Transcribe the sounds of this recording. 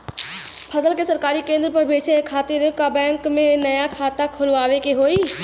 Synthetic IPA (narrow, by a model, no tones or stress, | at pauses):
pʰɐsəlkesɐɾkaːɾikẽːnd̪ɾəpɐɾbeːt͡ʃʰekʰaːt̪ɪɾkabɛ̃ːŋkmẽnɐjakʰaːt̪akʰʊlʋaːʋekeɦoːiː